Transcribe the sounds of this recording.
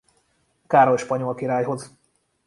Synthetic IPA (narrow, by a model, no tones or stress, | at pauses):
kaːɾo̞lʃpɒɲo̞lkiɾaːjɦo̞z